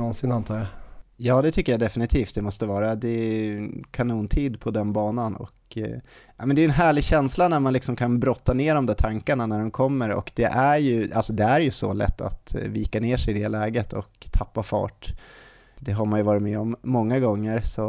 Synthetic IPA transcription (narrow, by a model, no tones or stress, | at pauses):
nɔnsɪnant̪ʰɑːɾjajɑːd̪ɛt̪ʰʏkːəjad̪ɛfɪnɪt̪ʰiːft̪̚d̪ɛmɔst̪əvɑːɾad̪ɛnkʰanuːnt̪ʰiːd̪pʰɔd̪ɛnbɑːnanɔ̰k | jʔamɛnd̪ɛjɛnɦæːɭɪɡɕɛnslanæɾmanlɪksɔmkʰanbɾɔt̪ːaneːɖɔmd̪æːʈʰaŋkaɳanæɖɔmkʰɔmːəɾɔ̰kd̪ɛʔæɾjɵalsɔd̪ɛæɾjɵsɔ̰lɛ̰t̪ːa̰t̪viːkaneːʂɛjɪd̪ɛlɛːɡət̪ʰɔkt̪ʰːapːafɑ̰ːʈ | d̪ɛɦaɾmanjɵvɑːɾɪt̪mɛːɔmːɔŋːaɡɔŋːəɾsɔ